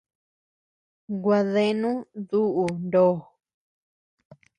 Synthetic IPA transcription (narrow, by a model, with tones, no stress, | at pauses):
ɡwa˧ðe˧nũ˦ðu˦ʔu˧nd̪oː˦˨